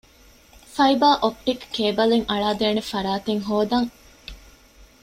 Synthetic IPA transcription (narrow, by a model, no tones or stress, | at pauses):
fɐibaːʔop̚ʈikːeːbɐliŋʔɐɭaːd̪eːnefɐɾaːt̪eŋɦoːd̪ɐŋ